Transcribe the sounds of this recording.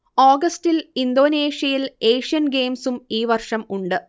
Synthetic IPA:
aːɡɐstilind̪o̞ːneːʂjɐjile̞ːʂijɐnɡe̞ːmsumiːʋɐrʂɐmuɳɖɨ

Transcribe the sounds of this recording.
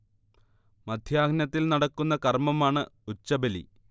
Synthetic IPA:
mɐd̪ʱjaːɡnɐt̪ːilnɐɽɐkːunːɐkɐrmɐmaːɳɨut͡ɕːɐbɐlḭ

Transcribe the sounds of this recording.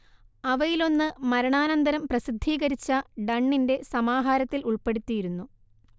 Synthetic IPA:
ɐʋɐjilo̞nːɨmɐɾɐɳaːnɐnd̪ɐɾɐmprɐsid̪ʱːiːɣɐɾit͡ɕːɐɖɐɳːinde̞sɐmaːɦaːɾɐt̪ːiluɭpe̞ɽut̪ːijiɾunːu

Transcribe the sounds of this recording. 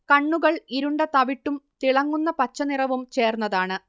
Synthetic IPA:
kɐɳːuɣɐɭiɾuɳɖɐt̪ɐʋiʈːumt̪iɭɐŋːunːɐpɐt͡ɕːɐnirɐʋumt͡ɕe̞ːrnːɐðaːɳɨ

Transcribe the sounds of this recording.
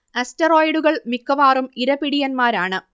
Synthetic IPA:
ɐstɐro̞ːjɽuɣɐɭmikːɐʋaːrumiɾɐpiɽijɐnmaːɾaːɳɨ

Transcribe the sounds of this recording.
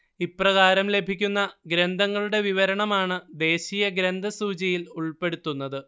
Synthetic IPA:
ipːrɐɣaːɾɐmle̞bʱikʲːunːɐɡɾend̪ʱɐŋːɐɭuɽe̞ʋiʋɐɾɐɳɐmaːɳɨd̪e̞ːɕiːjɐɡɾend̪ʱɐsuːt͡ɕɐjiluɭpe̞ɽut̪ːunːɐðɨ

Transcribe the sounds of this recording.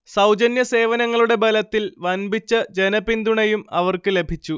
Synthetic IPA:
sɐwd͡ʑɐnjɐse̞ːʋɐnɐŋːɐɭuɽe̞bɐlɐt̪ːilʋɐnbʱit͡ɕːɐd͡ʑe̞nɐpind̪uɳɐjumɐʋɐrkɨle̞bʱit͡ɕːu

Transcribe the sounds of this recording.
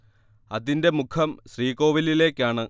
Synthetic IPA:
ɐðinde̞mukʰɐmɕriːko̞ːʋilile̞ːkʲːaːɳɨ

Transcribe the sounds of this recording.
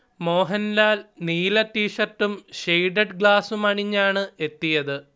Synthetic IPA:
mo̞ːɦɐnlaːlniːlɐtːiːʂɐrtːumɕejɖɐɖɡɭaːsumɐɳiɲːaːɳɨe̞t̪ːijɐðɨ

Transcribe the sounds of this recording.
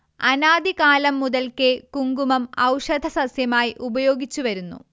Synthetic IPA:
ɐnaːd̪ikaːlɐmːuðɐlkekuŋɡumɐmɐ̰wʂɐd̪ʱɐsɐsjɐmaːjiʔubɐjo̞ːɡit͡ɕːuʋɐɾunːṵ

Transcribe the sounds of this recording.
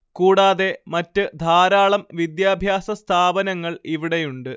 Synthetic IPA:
kuːɽaːðe̞mɐtːɨd̪ʱaːɾaːɭɐmʋid̪jaːbʱjaːsɐst̪ʰaːbɐnɐŋːɐɭiʋiɽejuɳɖɨ

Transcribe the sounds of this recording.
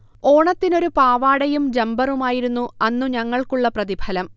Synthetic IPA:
o̞ːɳɐt̪ːino̞ɾupaːʋaːɽɐjumd͡ʑɐmbɐrumaːjiɾunːuɐnːuɲɐŋːɐɭkuɭːɐprɐðibʱɐlɐm

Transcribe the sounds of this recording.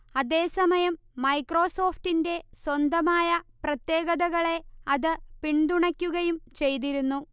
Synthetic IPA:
ɐðe̞ːsɐmɐjɐmːɐjkro̞ːso̞ːfʈinde̞swɐnd̪ɐmaːjɐprɐt̪je̞ːɣɐðɐɣɐɭe̞ɐðɨpiɳd̪uɳɐkʲːuɣɐjumt͡ɕe̞jt̪̬iɾunːu

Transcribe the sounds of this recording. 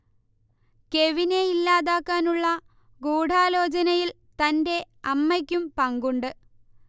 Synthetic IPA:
ke̞ʋine̞ilːaːðaːkːaːnuɭːɐ | ɡuːɽʱaːlo̞ːt͡ɕɐnɐjil | t̪ɐnde̞ | ɐmːɐkʲːumpɐŋɡuɳɖɨ

